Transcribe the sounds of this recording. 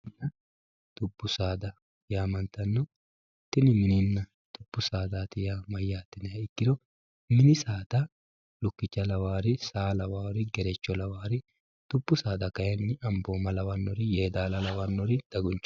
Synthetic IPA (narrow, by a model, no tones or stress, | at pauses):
ɪnɐ | t̪ʊbːʊsaːd̪ɐ | ɪjaːmɐnt̪ɐnːɔ | t̪ːɪnɪmɪnɪnːɐ | t̪ʊbːʊsaːd̪aːt̪ɪjamɐjːaːt̪ːɪnɛɪkːɪd̪ɔ | mɪnɪsaːd̪ɐ | lʊkːɪt͡ʃːɐlɐwaːɾɪsaːlɐwaːɾɪɡɛɾɛt͡ʃːɔlɐwaːɾɪ | t̪ʊbːʊsaːd̪ɐkɐjɛnːɪɐmboːmɐlɐwɐnːɔɾɪjeːd̪aːlɐlɐwɐnːɔɾɪd̪̥ɐɡʊnt͡ʃː